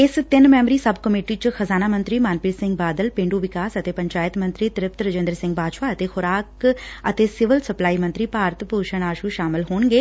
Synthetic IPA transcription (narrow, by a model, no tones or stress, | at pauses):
ɪst̪ɪnmɛːmɾiːsəbkəmeːʈiːt͡ʃxəzaːnaːmə̃nt̪ɾiːmaːnpiːɾsɪ̃ŋɡ̚baːd̪əlpɪ̃ːɳɖuːʋɪkaːsət̪eːpəɲt͡ʃaːjɪt̪mə̃nt̪ɾiːt̪ɪɾɪp̚t̪ɾəd͡ʒẽːnd̪əɾsɪ̃ŋɡbaːʃaːət̪eːxʰʊɾaːkət̪eːsɪʋəlsəplaːiːmə̃nt̪ɾiːpaːɾt̪poːʃəɳ̃aːʃuʃaːmɪlɦoːɳɡeː